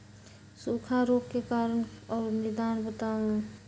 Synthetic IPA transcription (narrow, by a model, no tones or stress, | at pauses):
sukʰaɾoːkkekaːɾənɔːɾnɪd̪aːnbət̪aŋ